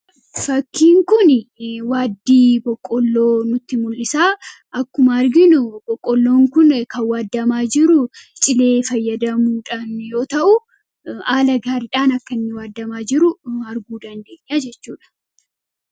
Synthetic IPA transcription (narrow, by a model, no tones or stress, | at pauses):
fɐkːiːŋkʊnwaːd̪ːiːbɔkʼːɔlːo̞ːnʊt̪ːɪmʊlːɪsaː | ʔɐkːʊmɐɐɾɡɪnʊbɔkʼːɔlːoːŋkʊnkɐwaːd̪ːɐmaːd͡ʒɪɾʊt͡ʃʼɪle̞ːfɐjːɐd̪ɐmuːᶑanjo̞ːt̪ɐʔʊ | aːlɐɡaːɾɪᶑaːnɐkːɐnːɪwaːd̪ːɐmaːd͡ʒɪɾʊɐɾɡuːd̪ɐnd̪e̞ːɲːaːd͡ʒɛt͡ʃːuːᶑɐ̥